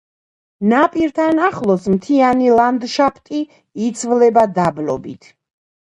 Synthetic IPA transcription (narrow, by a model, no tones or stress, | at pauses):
napʼiɾt̪ʰanaχlˠɔsmt̪ʰianilˠamd̪ʃapʰt̪ʼiː | t̪sʰvlɛbad̪ablɔ̰bit̪ʰ